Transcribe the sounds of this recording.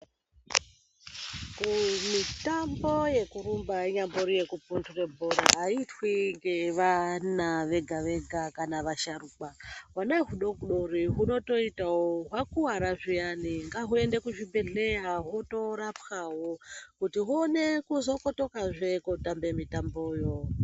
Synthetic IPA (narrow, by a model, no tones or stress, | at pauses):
kumitambo̞je̞kuɾumbaiɲamboɾije̞kupunture̞bʱoɾa̰ːitwiŋɡe̞ʋanaʋe̞ɡʱaʋe̞ɡʱakanaʋaʃaɾuk͡pawanaɦuɗo̞kɡuɗoriɦuno̞to̞itawoɦwakuwaɾaʐianiŋɡaɦue̞nde̞kuʐibe̞ɮeaɦoto̞ɾapxawokutiɦuonekuzo̞ko̞to̞kaʐekotambe̞mitambojo